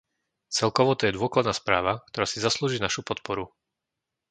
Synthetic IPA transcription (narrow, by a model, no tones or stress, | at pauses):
t͡sɛlkɔʋɔt̪ɔjɛd̪ʊɔklad̪naːspɾaːʋak̚t̪ɔɾaːsizasluːʒiːnaʃupɔt̪pɔɾu